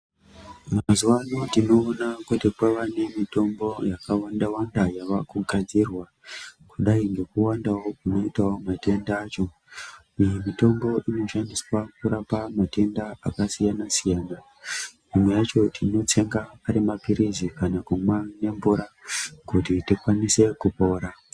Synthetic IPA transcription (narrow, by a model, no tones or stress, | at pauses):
mazuwanotino̞ːnakutikaʋane̞mito̞mbo̞jakawandawandajaʋakuɡʱad͡zirwa | kuɗaiŋɡe̞kuwandawo̞kuno̞itawomate̞ndaːt͡ʃo̞ | ijemito̞mbo̞ʔino̞ʃandiswakuɾapamate̞ndaakasijanasijaːna | imwejat͡ʃo̞tʰino̞te̞ŋɡapaɾimapiɾizikanakumwane̞mbuɾakutitikwanise̞kupo̞ːɾa